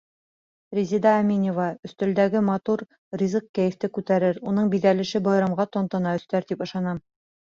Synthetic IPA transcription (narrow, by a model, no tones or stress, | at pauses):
rʲizʲid̪ɑːmʲinʲevɑɵ̆θt̪ɵ̆ld̪æɡɘmɑt̪uɾ | rʲizɤq̚kæjɘ̆ft̪ɘkʉt̪æɾɘɾunɤɴbiðælɘ̆ʃɘbɑj̆ɾɑmʁɑt̪ŏnt̪ɤ̆nɑɵ̆sθt̪æɾt̪ipɤ̆ʃɑnɑm